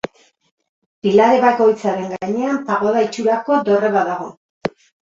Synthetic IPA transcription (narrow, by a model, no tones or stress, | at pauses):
pilaɾe̞βako̞jt͡saɾe̞ŋɡaɲe̞ampaɣ̞o̞ðait͡ʃuɾako̞d̪o̞re̞βaðaɣ̞o̞̰